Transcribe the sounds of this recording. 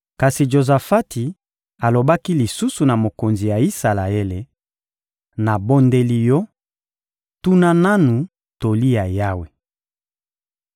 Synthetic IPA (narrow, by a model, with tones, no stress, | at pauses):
ka˨si˨ʒo˨za˨fa˦ti˨ | a˨lo˨ba˦ki˦li˨su˦su˨na˨mo˨ko˨nzi˨ja˨i˦sa˨la˨e˦le˨ | na˨bo˦nde˦li˦jɔ˦ | tu˦na˦na˦nu˨ | to˨li˦ja˨ja˦we˨